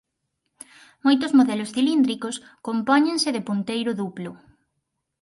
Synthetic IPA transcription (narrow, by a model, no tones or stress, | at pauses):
mojt̪ozmoðɛlosθilind̪ɾikos | kompɔɲẽnseðepunt̪ejɾʊðuplu